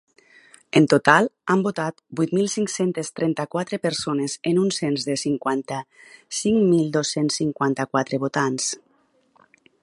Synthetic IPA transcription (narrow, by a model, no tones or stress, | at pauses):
ent̪ot̪alˠambot̪at̪bujt̪milˠsiŋksent̪est̪ɾɛnt̪akwat̪ɾepeɾsonezenunsenzðesiŋkwant̪a | siŋmilˠd̪osensːiŋkwant̪akwat̪ɾeβot̪ans